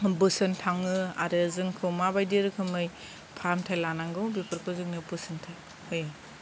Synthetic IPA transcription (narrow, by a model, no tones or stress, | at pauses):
bɯsɯntʰaŋɯa̰ɾɯzɯŋkʰɯwmabajdiɾɯkʰɯmɯj | pʰaɾamtʰajlanaŋɡɯwbipʰɯɾpʰɯzɯk̚nɯbɯsɯntʰaj | hoj